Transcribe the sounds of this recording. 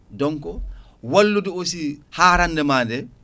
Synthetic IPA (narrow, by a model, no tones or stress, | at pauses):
dɔŋkɔ | walːuduosihaːɾanːdɛmaːndɛ